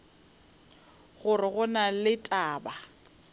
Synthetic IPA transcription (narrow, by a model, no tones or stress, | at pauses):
ɣʊrɪɣʊnalɪtʼaːba